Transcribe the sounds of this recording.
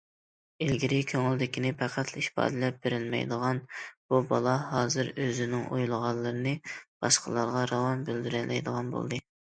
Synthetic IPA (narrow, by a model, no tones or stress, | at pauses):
elɡʲiɾikʲʰøŋyld̪ɪkʲinɪpʰæqʰæt̪ʰliʃpɑ̰ːd̪ɪlɛp̚beɾɪlmɛ̰jd̪əʁɑnb̥ubɑlˠɑɦɑːzɨɾøzɪnɪŋʔo̰julˠʁɑnlːˠɨɾɨnɨb̥ɑʃqəlˠɑɾʁɑɾɑwɑnbyld̪yɾɛlɛ̰jd̪əʁɑnbo̰lˠd̪ɨ